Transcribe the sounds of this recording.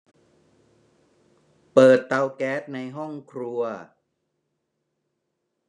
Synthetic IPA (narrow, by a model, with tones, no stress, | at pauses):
pɤː˨˩t̪ːa˧wkɛː˦˥t̪̚na˧jɦɔ˥˩ŋkʰɾu˧ɐ